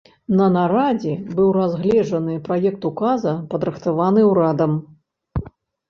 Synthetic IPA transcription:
nɐnaɾad͡zʲɛbɨwrazɣlʲɛʐɐnɨpɾajɛkt̪ukazɐpɐd̪ɾɨxt̪avanɨwɾad̪ɐm

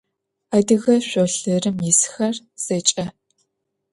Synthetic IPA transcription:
adɨɣɐɕʷoːɬɨrɨmjisxɐr | z̥ɐt͡ʃʼɐ

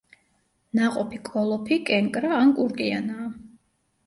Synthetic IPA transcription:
naqʼɔpʰikʼɔlˠɔpʰikʼɛŋkʼɾaːnkʼuɾkʼianaː

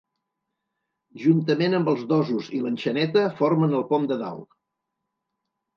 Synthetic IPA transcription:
ʒunt̪əmenəmbəlˠzðɔzuzilənʲʃənɛt̪əfoɾmənəlˠpɔmd̪əða̰lˠ

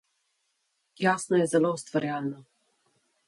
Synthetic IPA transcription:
jaːsnɔjɛzɛloːst̪vaɾjaːlnɔ

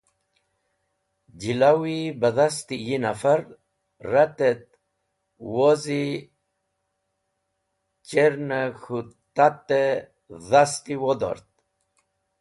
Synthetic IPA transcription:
d͡ʑilawibaðast̪ijinafaɾ | rat̪et̪̚ | wozi | t͡ɕeɾnaxut̪at̪ːe | ðast̪iwod̪o̰ɾt̪̚

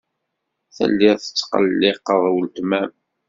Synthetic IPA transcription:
θə̰lːɪðθə̥t͡sːqə̰lːɪqəðˤwəlt̪mæm

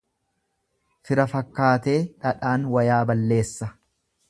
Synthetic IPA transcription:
fɪɾɐfɐkːaːt̪e̞ːᶑɐᶑaːnwɐjaːbɐlːe̞ːsːɐ

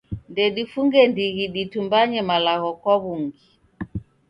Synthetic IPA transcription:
ndɛɗifuŋɡɛndiɣiɗitumbaɲɛmalaɣɔkwɔβuŋɡi

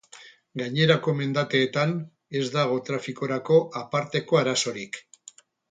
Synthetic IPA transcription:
ɡaɲe̞ɾako̞me̞nd̪at̪e̞ːt̪an | e̞zd̪aɣ̞ot̪ɾafiko̞ɾako̞ʔapaɾt̪e̞ko̞aɾaso̞ɾik

